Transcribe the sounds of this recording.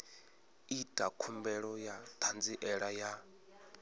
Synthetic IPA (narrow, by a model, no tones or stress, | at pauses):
itʼakʰumbɛɺɔjat̪ʰand͡ziʔɛɺaja